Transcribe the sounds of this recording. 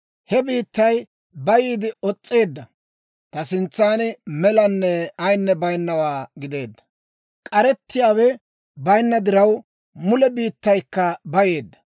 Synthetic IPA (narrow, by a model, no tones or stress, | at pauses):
hɛbiːt̪ːɐj | bɐjiːd̪ɪɔt͡sʼːeːd̪ːɐ | t̪ɐsɪnt͡sːaːnɪmɛlɐnːɛɐjnːɛbɐjnːɐwaːɡɪd̪e̞ːd̪ːɐ̥ | kʼɐɾɛt̪ːɪjaːwɛ | bɐjnːɐd̪ɪɾɐw | mʊlɛbiːt̪ːɐjkːɐbɐje̞ːd̪ːɐ̥